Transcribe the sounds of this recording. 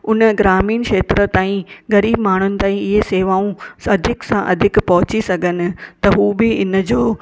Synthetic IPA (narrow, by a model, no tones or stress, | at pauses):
ʊnə̆ɡɾaːmiːnkʃeːt̪ɾət̪aːĩɣɐɾiːbmaːɳ̤ʊnɪ̆t̪aːĩɪɦeseːʋaːũɐd̪ʱɪksãʔɐd̪ʱɪkpɐɦʊt͡ɕisɐɡʱənɪ̆t̪ɐɦuːbɪɪnə̆d͡ʑoː